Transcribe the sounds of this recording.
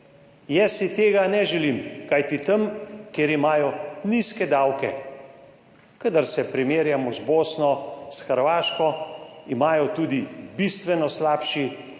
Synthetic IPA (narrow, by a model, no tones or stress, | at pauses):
jɛsit̪eːɡanɛʒɛliːmkajt̪it̪əmkjeɾimaːjɔniskɛd̪aːwkɛ | kəd̪aɾsɛpɾimeːɾjamɔzboːsnɔsxəɾʋaːʃkɔimaːjɔt̪uːd̪ibist̪ʋɛnɔslaːpʃi